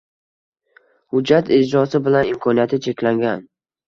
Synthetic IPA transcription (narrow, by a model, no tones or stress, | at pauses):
hʊd͡ʒːat̪ʰɪd͡ʒɾɒsɪbɪlanɪmkʰɒnijat̪ʰɪt͡ʃʰe̞kʲlaŋɡʲan